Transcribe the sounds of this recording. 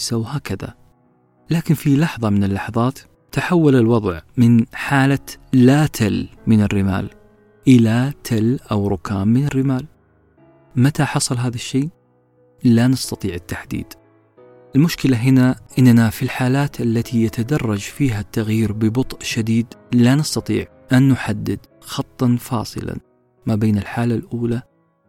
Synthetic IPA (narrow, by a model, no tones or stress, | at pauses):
sawɦaːkaða̰ | laːkɪnfilɑħðˤɑmɪnɪlːɑħɑðˤɑːt̪ː | aħawːalalwɑðˤʕmɪnħaːlalaːt̪ʰalmɪnɪrːɪma̰ːl | ʔɪlat̪ʰalʔawɾˤʊkaːmːɪnɪrːɪmaːl | mat̪aħɑsˤɑlɦaːðaʃːeː | lanɑst̪ɑt̪ˤiːʕɪt̪ːaħd̪ḭːd̪̥ | ʔɪlmʊʃkɪlaɦɪnaʔɪnːnafilħaːlaːt̪ʔalːat̪ʰijat̪ad̪ɑrˤːɑd͡ʒfiːɦat̪ːaɣjiːɾbɪbʊt̪ˤʔʃad̪iːd̪lanɑst̪ɑt̪ˤḭːʕ | ʔanːʊħad̪ːɪd̪ | xɑt̪ˤːɑnfɑ̰ːsˤɨ̰la̰ | mabeːnɪlħaːlalʔuːla